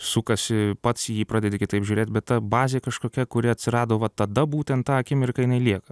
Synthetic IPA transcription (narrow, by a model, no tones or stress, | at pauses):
sʊkɐsʲɪpɐt̪sjiːpɾɑːd̪ʲɛdʲɪkʲɪt̪ɐɪpʒʲuːɾʲeːt̪ʲbʲɛt̪tːɐbɑːzʲeːkɐʃkoːkʲɛkʊɾʲɪɐt̪ʲsʲɪɾɑːd̪oːʋɐt̪ɐd̪ɐbuːt̪ʲɛnt̪t̪ɑːɐkʲɪmʲɪrkɐjɪnɐɪlʲiɛkɐ